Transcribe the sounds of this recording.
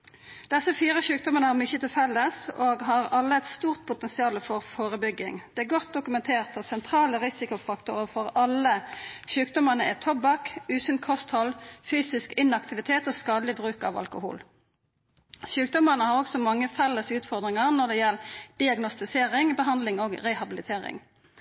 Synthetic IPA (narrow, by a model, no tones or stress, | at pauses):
d̪̥ɛsəfyːɾəçʉːk̚d̪ɔmənəhɑʁmʏçət̪ɪlfɛlːəsoːɡɦɑʁɑlːəɛt̪st̪uːʁt̪̚pʰʊt̪ɛnsɪɑːləfɔʁfoːʁəbʏɡɪŋd̪ɛːæːʁɡɔt̪̚d̪ʊkʉmɛnt̪ʰeːʁt̪d̪ɑt̪sɛnt̪ʰʁɑːləʁɪsɪkʊfɑkt̪ʊʁəfɔʁɑlːəɕʉːkd̪ɔməʁnəɛt̪ʰɔbɑkʉːsʏnkʰɔst̪hɔlfyːsɪskɪnɑkt̪ɪʋɪt̪ʰeːt̪oːskɑːd̪əlɪbɾʉːkɑ̰ʋɑ̰lkʊhṵːl | çʉːk̚d̪ɔmənəhɑʁɔɡsɔmɑŋːəfɛlːəsʉːt̪fɔʁd̪ʁɪŋɑʁnɔʁd̪ɛjɛld̪̥ɪɑɡnɔst̪ɪseːɾɪŋbəɦɑnd̪lɪŋoːɡɾɛhɑbɪlɪt̪ʰeːʁɪ̰ŋ